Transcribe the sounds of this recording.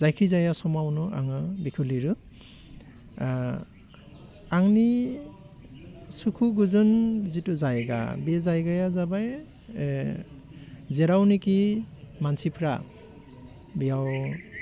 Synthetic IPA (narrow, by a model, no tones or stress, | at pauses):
zajkʰizajasɔmawnuʔa̰ŋɯbikʰuliɾɯ | aŋni | sukʰuɡuzɯnzituzajɡa̰bɛzajɡajazabaj | zɛɾawnikimansʰipʰɾa̰ | bijaw